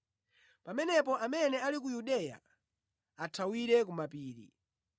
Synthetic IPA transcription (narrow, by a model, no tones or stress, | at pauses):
pamɛnɛp̬ɔʔamɛnɛalik̬ujuɗɛja̰ | atʰawiɾɛk̬umapiːɾḭ